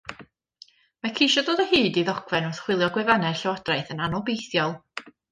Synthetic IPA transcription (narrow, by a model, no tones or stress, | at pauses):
makʰejʃɔdoːdəhɨːdiðɔɡʰvɛnɔrθχwɪlˠjɔɡwɛvanɛrɬɛwad̥raɨθənanɔbejθjɔlˠ